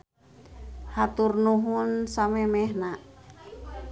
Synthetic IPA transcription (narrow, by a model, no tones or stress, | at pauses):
hat̪urnuɦunsamɛmɛɦna